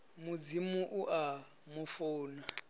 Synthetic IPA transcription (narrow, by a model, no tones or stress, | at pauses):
mud͡zimuʔuʔa | mufuːna